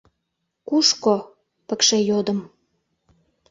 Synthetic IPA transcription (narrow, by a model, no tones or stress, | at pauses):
kuʃko | pə̆kʃejod̪ə̆m